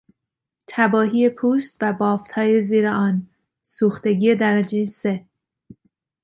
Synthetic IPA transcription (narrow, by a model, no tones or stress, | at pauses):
t̪ʰæbɒːɦiːepʰuːst̪væbɒːft̪hɒːjeziːɾeɒːn | suːxt̪e̞ɡiːje̞d̪æɾæd͡ʒejse̞